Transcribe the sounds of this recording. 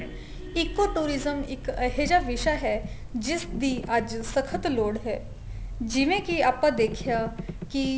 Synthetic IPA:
ɪkːoʈuːɾɪzəmɪkəɦed͡ʒaʋɪʃaɦɛ | d͡ʒɪsd̪iʔəd͡ʒsəkʰət̪loːɽɦɛː | d͡ʒɪʋẽkiaːpãd̪eːkʰjaki

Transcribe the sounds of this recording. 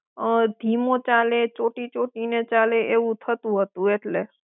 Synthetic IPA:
əd̪ʱimot͡ʃalet͡ʃoʈit͡ʃoʈinet͡ʃaleʔeʋũt̪ʰət̪ũɦət̪ũeʈle

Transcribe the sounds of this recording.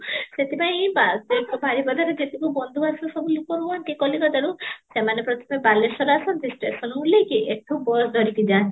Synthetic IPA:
set̪ʰipaj̃bateʈɔbʱaɾibɔd̪ʱaɾed͡ʒet̪ikubɔnd̪ʱuasũsɔbulukɔɾuant̪ikɔlikɔd̪aɾũsemanepɾɔt̪ʰɔ̥pebalːesɔɾasɔnt̪isʈɾesɔnmulejkiʔeʈʰubɔd̪ʱɔɾik̪id͡ʒat

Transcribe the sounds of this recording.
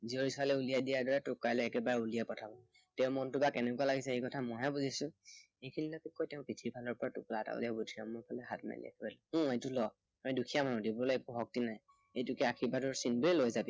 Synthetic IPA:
zioɹisɔalɛulijadijaɹdɔɹɛtʊkːajlɔɛkɛbaɹɛulijapɔtʰabɔ | tɛʊ̃mɔntʊbakɛnɛkualaɡisɛejkɔtʰamɔjɦɛbuzisʊ̃ | ekʰinilɔkɛkojtɛʊ̃pitʰibʰʱalɔɹpɔɹatʊ̰klata̰ʊ̰lijabudʰʱiamɔpʰalɛɦatma̰lḭa̰kʰibalɛũejtʊlɔ | ɔjdukʰijamanɔ̃dibuɹlɔpuɦɔk̚tinaj | ejtʊkɛakʰibatʊɹsinbuɛlojzabi

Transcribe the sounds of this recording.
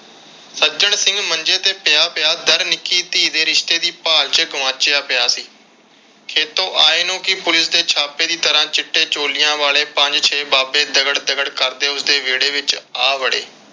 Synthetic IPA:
səd͡ʒəɳsɪ̃ŋɡməɲd͡ʒeːt̪eːpɪjaːpɪjaːd̪əɾnɪkːiːt̪iːd̪eːɾɪʃt̪eːd̪iːpaːlt͡ʃəɡʊʋãːt͡ʃɪjaːpɪjaːsiː | kʰeːt̪õːʔaːeːnõːkɪpʊlɪsd̪eːt͡ʃʰaːpeːd̪iːt̪əɾãːt͡ʃɪʈːeːt͡ʃoːlɪjãːʋaːleːpə̃ɲd͡ʒt͡ʃʰeːbaːbeːd̪əɡəɽd̪əɡəɽkəɾd̪eːʊsd̪eːʋeːɽeːʋɪt͡ʃaːʋəɽḛː

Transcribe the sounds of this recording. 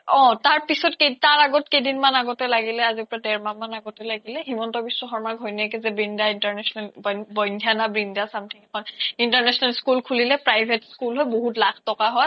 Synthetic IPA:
ɔ̃taɹpisɔtkejtaɹaɡɔtkejdinmanaɡɔtɛlaɡilɛazipɔɹadɛɹmamanaɡɔtɛlaɡilɛɦimɔntɔbisɔxɔɹmaɡʱɔjniakɛzɛbɹindaintaɹnɛsɔnɛlbɔbɔjndʱjanabɹindasamtʰikɛkʰɔnintaɹnɛsɔnɛlskulkʰulilɛpɹajbʱetskulɦɔjboɦutlakʰtɔkaɦɔj

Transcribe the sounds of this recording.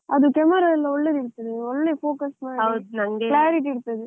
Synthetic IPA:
ɐðɯkɛmɐɾaːɪlːɐɔɭːɐɾɪɽɯt̪ːɐðɯɔɭːɐfoːkɐsmaːɐd̪nɐŋɡɐklaːɾɪʈ̬iɪɽɯt̪ːɐðɯ

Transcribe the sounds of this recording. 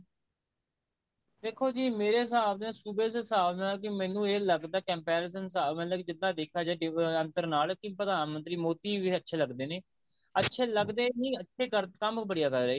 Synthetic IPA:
d̪eːkʰːoːd͡ʒiːmeːɾeːɦɪsaːbd̪ẽsuːbeːssaːbmɛ̃ːlːk̬ɪmɛ̃ːnũːeːləɡd̪aːkɛ̃ːmpɛːɾes̬ənsaːbmɛ̃ːlaːkid͡ʒɪd̪ãːd̪eːkʰaːd͡ʒaːɖɪənt̪əɾnaːlkɪpɾəd̪aːnmənt̪ɾiːmoːt̪iːʋiːətːʃʰeːləɡd̪eːneː | ətːʃʰeːləɡd̪eːnĩːətːʃʰeːkəɾkəmbəɽɪjaːkəɾːeeː

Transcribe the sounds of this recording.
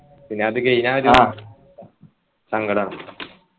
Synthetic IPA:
pinːeɐðikːeinaːɾu | sɐŋɡɐɽɐnɐ

